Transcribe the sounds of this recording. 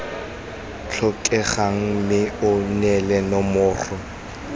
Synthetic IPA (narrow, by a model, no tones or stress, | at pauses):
t͡ɬʰɔkʼɛχaŋ̩mɪʊnɛlɛnɔmʊːrɔ